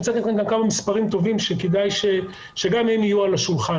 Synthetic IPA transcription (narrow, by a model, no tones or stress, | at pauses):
t͡satit̪χenɡankamamispaʁimt̪o̞vimʃeked̪ajʃe | ʃe̞ɡamhemijualaʃulχa